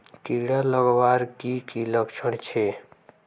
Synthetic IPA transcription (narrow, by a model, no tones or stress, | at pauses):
kiɽaləɡbaɾkikiləkt͡ʃʰəɽt͡ʃʰe